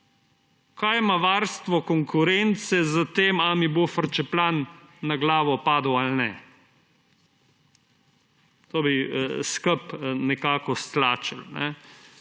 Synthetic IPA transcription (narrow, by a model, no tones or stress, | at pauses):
kajmaʋaɾst̪ʋɔkɔŋkʰʊɾɛnt̪sɛzɐt̪eːmamibofəɾt͡ʃɛplanːaɡlaːʋɔpaːd̪walnɛ̰ | t̪obiskəpnɛkaːkɔst̪laːt͡ʃəlnɛ̰